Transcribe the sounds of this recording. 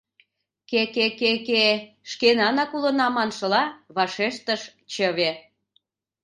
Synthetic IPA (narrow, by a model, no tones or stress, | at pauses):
kekekeke | ʃkenɑnɑkulənɑmɑnʃəlɑβɑʃeʃt̪əʃt͡ɕəβe